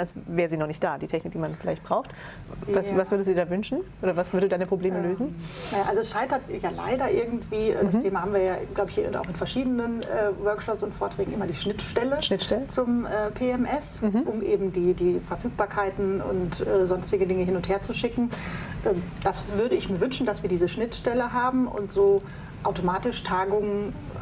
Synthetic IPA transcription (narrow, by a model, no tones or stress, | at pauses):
ʔasvɛːʁəziːnɔʁχnɪçt̚d̥aːdiːtʰɛçnɪk̚d̥iːmanfɪlaɪçtb̥ʁaʊxt | vasvasv̥ʏɐdəstudiːdaːvʏnʃn̩ʔoːdɐvasv̥ʏɐdədudaɪnəpʁ̥obleːməløːzn̩najaːʔalzoɛsʃaɪtɐtjaːla̰ɪdɐʔɪɐɡŋ̩tv̥iːʔɛːd̥asteːmahaːmviːɐjaːɡ̥laʊbəɪçinta̰ʊɪnfɛɐʃiːdənənʔɛːvœɐkʃɔpsʊntfoːɐtʁ̥ɛːɡŋ̩ʔɪmɐdiːʃnɪtʃtɛləʃnɪtʃtɛlət͡sʊmʔɛːpʰeːɛmʔɛsʔʊmʔeːbm̩diːdiːfɛɐfyːk̚b̥aːɐkʰaɪtn̩ʊ̰ntʔɛːzɔnstɪɡədɪŋəɦɪnʊntheːɐt͡suʃɪkŋ̩ʔɛːmd̥asvʏɐɾəɪçmiːɐvʏnʃn̩dasv̥iːɐdiːzəʃnɪtʃtɛləɦaːbm̩ʔʊ̰ntz̥oː | ʔaʊtomaːtɪʃtʰaːɡʊŋən